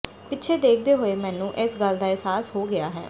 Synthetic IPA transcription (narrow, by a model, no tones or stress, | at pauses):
pɪtːʃʰeːd̪eːk̚ʰd̪eːɦoːeːmɛ̃ːnũːʔɪsɡəld̪aːɛːsaːsɦoːɡɪaːɦɛ̰ː